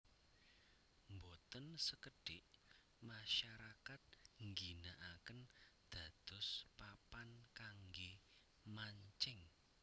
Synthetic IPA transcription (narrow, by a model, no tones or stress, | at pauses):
mbot̪ənsəkəɖ̥ɪʔ | maʃaɾakat̪̚ŋɡinaʔakənd̪̥ä̤d̪̥ʊ̤spapankaŋɡe | maɲt͡ʃɪŋ